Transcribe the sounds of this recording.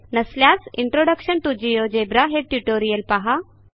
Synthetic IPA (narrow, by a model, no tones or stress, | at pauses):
nəsljat͡siɳʈɾoɖəkɕəɳʈ̪ud͡ʑijod͡ʑebɾaɦeʈjuʈoɾijəlpaɦa